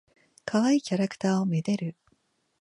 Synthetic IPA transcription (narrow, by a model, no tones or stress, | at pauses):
kʰaβaikʲaɾakɯ̟̥t̪aːo̞med̪e̞ɾɯ̟